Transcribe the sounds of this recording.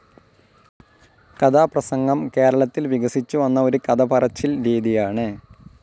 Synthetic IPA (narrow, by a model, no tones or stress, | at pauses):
kɐd̪ʰʱaːprɐsɐŋɡɐmke̞ːɾɐɭɐt̪ːilʋiɡɐsit͡ɕːuʋɐnːɐo̞ɾukɐd̪ɐpɐrɐt͡ɕːilɾiːd̪ijaːɳɨ